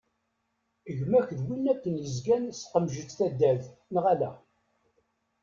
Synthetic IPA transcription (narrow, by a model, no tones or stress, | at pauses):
əʝmæçðwinːækːənjəzɡænsqəmʒət͡sːθæd̪ːæðnʁælæ